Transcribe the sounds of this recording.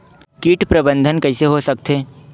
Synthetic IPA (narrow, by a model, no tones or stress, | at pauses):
kiːʈpɾɐbə̃nd̪ʱənkɐɪseɦosɐk̚t̪eː